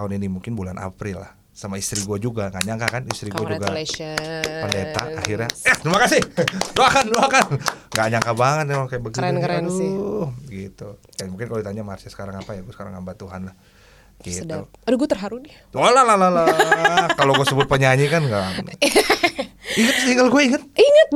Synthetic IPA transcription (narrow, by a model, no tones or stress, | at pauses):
auninimuŋkɪnbulanʔa̰pɾɪlːa̰h | samaist̪ɾiɡuad͡ʒuɡaŋɡaɲaŋkakanist̪ɾiuad͡ʒuɡa | pəndet̪a̰ahirɲajaht̪ɾimakasɪhdoakandoakanŋɡaɲaŋkabaŋət̪̚nemaŋkajabəɡinɾn | ɡit̪u | kamuŋkɪnkalodit̪aɲamaarsasə̥kaɾaŋapajaɡuasə̥kaɾa̰ŋambat̪uɦa̰nlah | ɡ̥it̪uodɛɡuat̪ərɦaɾudiaolahlalalakaloɡuasəbʊt̪̚pəɲaɲikanɡa | iŋət̪̚iŋɡalɡuaiŋət̪̚iŋət̪̚